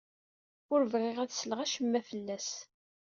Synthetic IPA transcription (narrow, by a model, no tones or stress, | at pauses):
ʊɾvʁɪʁæðsəlʁæʃəmːæfəlːæs